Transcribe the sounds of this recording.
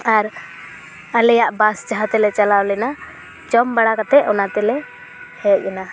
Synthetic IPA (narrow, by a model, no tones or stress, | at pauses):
aɾ | alɛjaʔbast͡ʃaɦat̪ɛlɛt͡ʃalawlɛna | t͡ʃɔmbaɽakat̪ɛʔɔnat̪ɛlɛ | hɛʔ̚ɛna